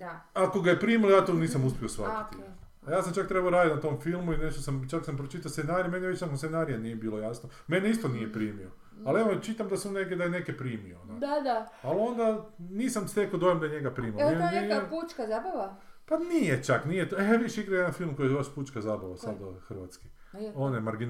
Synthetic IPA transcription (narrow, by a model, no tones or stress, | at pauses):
aako̞ɡajepɾiːmilojaːt̪oniːsamuspiosʋa̰t̪it̪ | jaːs̬amt͡ʃakt̪ɾe̞baoɾaːd̪it̪nat̪o̞mfilˠmuineʃt̪osamt͡ʃaksampɾot͡ʃit̪asenaːɾijemenejʋet͡ʃnakonsenaɾijanijebiːlˠojasno | me̞neist̪onije̞pɾiːmio | aleʋot͡ʃit̪amd̪asuneked̪ajenekepɾiːmioonod̪ad̪a | alo̞nd̪aniːsamst̪ekod̪ojemd̪ajeɲeɡapɾiːmiieput͡ʃkazabaʋapanijet͡ʃaknijet̪oeʋiʃeiɡɾaejed̪anfilˠmkojijβaʃput͡ʃkazabaʋasad̪oxrʋat̪ski | onamaɾɡin